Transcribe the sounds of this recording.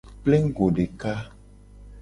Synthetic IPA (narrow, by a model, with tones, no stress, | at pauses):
ple˦ŋ̩˦ɡo˨ɖe˨ka˦